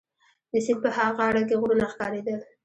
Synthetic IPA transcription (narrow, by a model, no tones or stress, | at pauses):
d̪əsɪmpəhaɣaaɽak̬eɣɾunaxkɑɾed̪əl